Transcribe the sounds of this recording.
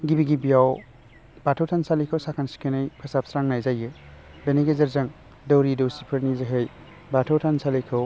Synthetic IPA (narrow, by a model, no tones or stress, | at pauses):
ɡibiɡibijaw | b̥atʰawtʰansalikʰɯwsakʰansi̥kʰenɯjpʰɐsap̚sɾaŋnajzaje | beneɡezɐɾzɐŋ | dowɾidowsipʰɯɾnizeɦej | batʰowtʰansalikʰɯw